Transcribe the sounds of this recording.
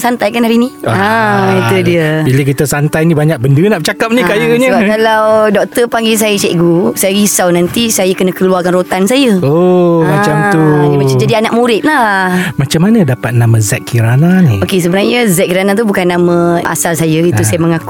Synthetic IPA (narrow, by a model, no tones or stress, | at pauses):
sant̪ajkanɦaɾinĩait̪udiəbilək̬it̪asant̪ajnibaɲak̚bəndənaʔp̚t͡ʃakap̚nikajəɲəbakalawdɔk̚t̪əpaŋɡis̬ajət͡ʃɛʔɡusajəɡisawnãnt̪isajakənəkəluarkanrot̪ansajəomat͡ʃamt̪uibat͡ʃəd͡ʒadianak̚mũɾɪt̪̚lamat͡ʃamːanədapat̪̚namazɛkkʰːiɾananiokes̬əbənarɲəzɛʔ̚kiɾanat̪̬ubukanːamə̃a̰salsajəit̪usajəməŋaku